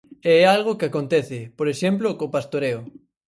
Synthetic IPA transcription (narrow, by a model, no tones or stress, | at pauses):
eɛalɣ̞okɪakont̪ɛθɪpoɾeʃemp̬lokopast̪oɾeo